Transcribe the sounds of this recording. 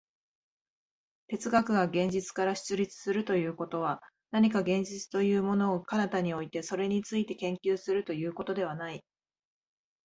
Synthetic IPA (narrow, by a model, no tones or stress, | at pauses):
t̪e̞t͡sɨɡakɯ̟ɡaɡẽ̞ɲ̟d͡ʑit͡sɨ̥kaɾaɕɨ̥t͡sɨɾʲit͡sɨ̥sɨɾɯ̟t̪o̞jɯ̟ːko̞t̪o̞β̞a | naɲ̟ikaɡẽ̞ɲ̟d͡ʑit͡sɨ̥t̪o̞jɯ̟ːmo̞no̞ːkanat̪aɲ̟io̞it̪e̞so̞ɾe̞ɲ̟it͡sɨit̪e̞kẽ̞ŋkʲɨːsɨɾɯ̟t̪o̞jɯ̟ːko̞t̪o̞d̪e̞β̞anai